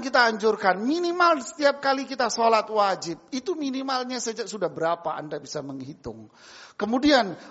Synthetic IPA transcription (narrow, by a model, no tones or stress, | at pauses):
ŋkit̪aːɲd͡ʒʊrkanminimalsə̥t̪iap̚kalikit̪asolat̪̚wad͡ʒɪp̚it̪uminimalɲasəd͡ʒasudahbəɾapaa̰ndabisaməŋhit̪ʊ̰ŋ | kəmudian